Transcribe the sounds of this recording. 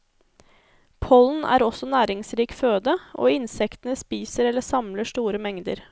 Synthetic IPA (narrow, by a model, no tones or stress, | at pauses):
pʰɔln̩ʔæ̰ːɾɔsɔnæːɾɪŋsɾiːkføːd̪əʔo̰ːɪnsɛkt̪ənəspiːsəɾɛlːəsɑmləʂt̪uːɾəmɛŋd̪ə̰ɾ